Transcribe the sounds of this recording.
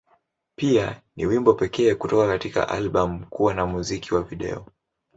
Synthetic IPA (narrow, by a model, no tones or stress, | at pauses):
pianḭwimbɔpɛkɛːkutɔkakatika̰ʔa̰lɓam̩kuwanamuzikiwaviɗɛ̰ɔ